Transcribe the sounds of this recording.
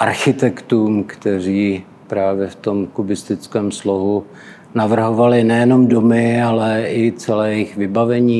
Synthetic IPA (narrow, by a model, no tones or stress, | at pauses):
ʔaɾxɪt̪ɛkt̪uːmkt̪ɛr̝iː | pɾaːvjɛft̪o̞mkubɪst̪ɪt͡skɛːmslo̞ɦu | navr̩ɦo̞valɪnɛjɛno̞mdo̞mɪalɛɪt͡sɛlɛːjɛjɪxvɪbavɛɲiː